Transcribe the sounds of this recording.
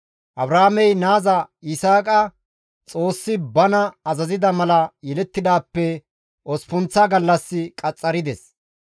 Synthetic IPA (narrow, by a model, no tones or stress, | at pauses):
ʔɐbɾaːmɛjnaːzɐɪsaːkʼɐ | t͡sʼo̞ːsːɪbɐnɐɐzɐzɪd̪ɐmɐlɐjɛlɛt̪ːɪd̪aːpːɛ | ʔɔspʊnt͡saɡɐlːɐsːɪkʼɐt͡sʼːɐɾɪd̪ɛs